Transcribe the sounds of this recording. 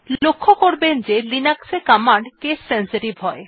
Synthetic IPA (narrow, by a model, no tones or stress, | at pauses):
lokʰːokoɾbend͡ʑelinaksekamaɳɖkesːensiʈibʱɦɔe